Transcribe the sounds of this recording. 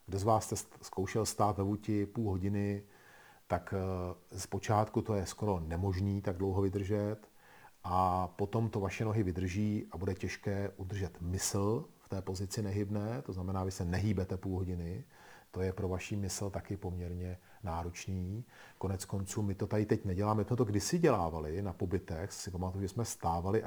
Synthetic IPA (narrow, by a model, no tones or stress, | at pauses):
ɡdozvaːsːt̪ɛskʰo̞wʃɛlst̪aːt̪vɛvucɪpuːlɦo̞ɟɪnɪ | t̪akspo̞t͡ʃaːt̪kut̪o̞jɛsko̞ɾo̞nɛmo̞ʒniːt̪aɡ̚dlowɦo̞vɪd̪r̩ʒɛt̪ | ʔapo̞t̪o̞mt̪o̞vaʃɛno̞ɦɪvɪd̪r̩ʒiːʔabudɛcɛʃkɛːʔud̪r̩ʒɛt̪mɪsl̩ft̪ɛːpo̞zɪt͡sɪnɛɦɪbnɛːt̪o̞znamɛnaːvɪsɛnɛɦiːbɛt̪ɛpuːlɦoɟɪnɪ | t̪o̞jɛpɾo̞vaʃiːmɪsl̩t̪akɪpo̞mɲɛɾɲɛ | naːɾot͡ʃniːko̞nɛt͡sko̞nt͡suːmɪt̪o̞t̪adɪt̪ɛcnɛɟɛlaːmɛsmɛt̪oɡdɪsɪɟɛlaːvalɪnapo̞bɪt̪ɛxsɪpamat̪ujuʒɛsmɛst̪aːvalɪʔ